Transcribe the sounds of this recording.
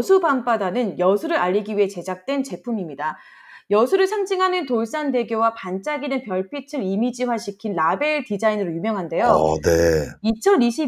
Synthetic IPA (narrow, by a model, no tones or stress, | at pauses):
sʰubamp͈adanɯnjʌsʰuɾɯɾaʎːiɡiɥiɦet͡ɕe̞d͡ʑak̚t͈we̞nt͡ɕe̞pʰumimɲida | jʌsʰuɾɯɭsʰaŋd͡ʑiŋɦanɯntoɭs͈ande̞ɡjowapant͡ɕ͈aɡinɯnpjʌɭpʰitʰɯɾimid͡ʑiwaɕʰikʰinlabe̞ɭtid͡ʑainɯɾojumjʌŋɦande̞jone̞it͡ɕʰʌniɕʰi